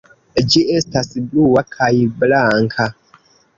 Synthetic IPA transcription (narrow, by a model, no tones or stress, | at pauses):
ɟiʔestasibluwakʰajiblaŋkʰa